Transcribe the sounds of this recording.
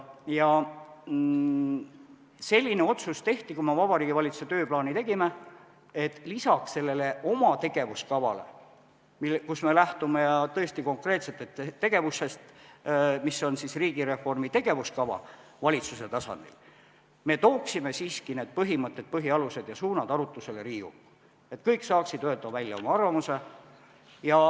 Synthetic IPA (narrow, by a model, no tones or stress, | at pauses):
jɑ | se̞lʲːine̞o̞t̪sust̪e̞ht̪ikumevɑb̥ɑɾiːɡ̥ivɑlʲit̪su̥se̞t̪øːplɑːnit̪e̞ɡ̥ime̞ | et̪ːˑlisɑksse̞lːe̞le̞o̞mɑt̪e̞ɡ̥e̞vuskɑvɑ̰le̞̰ | milkusme̞læht̪ume̞jɑt̪ɤ̞e̞st̪iko̞ŋkre̞ːt̪se̞t̪ːˑet̪ːeːe̞ɡ̥e̞vuse̞st̪ | misːo̞nsisriːɡ̥iɾe̞fo̞rmit̪e̞ɡ̥e̞vuskɑvɑ̰vɑlʲit̪suse̞t̪ɑsɑ̰nd̪̥ḭl | me̞t̪o̞ːksime̞siːskine̞ːd̪̥̚pɤɦimɤt̪ːˑe̞d̪̚pɤɦiɑluse̞d̪̥jɑsuːnɑd̪̥ɑɾut̪ːˑuse̞le̞ɾiːṵkː | e̞t̪ˑkɤjkːsɑːksid̪̥øt̪ɑvælʲjɑ̰o̞mɑɑrvɑmuse̞ | jɑ